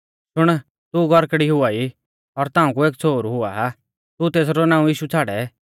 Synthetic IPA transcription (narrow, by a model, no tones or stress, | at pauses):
ʃʊɽ̃ | t̪uɡʱɔɾkɽiɦʊaːi | ɔɾt̪ãːũk̬ueːkt͡sʰoːɾɦʊa̰ː | t̪ut̪eːs̬ɾɔnãːũjiːʃut͡sʰaːɽɛ